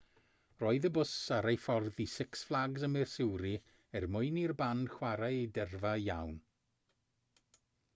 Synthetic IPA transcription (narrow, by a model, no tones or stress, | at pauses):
rɔːɨðəbʊsaɾejfɔrðisɪksflˠaɡzəmɪrsɪwɾi | ɛrmʊɨnirban̥χwaɾadɛrvaja̰wn